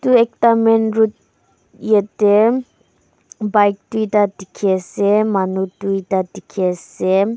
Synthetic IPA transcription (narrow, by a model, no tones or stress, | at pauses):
t̪uek̚tamenɾut̪̚ | jete | bajk̚tuitadikʰesemanutuitad̪ʱikʰese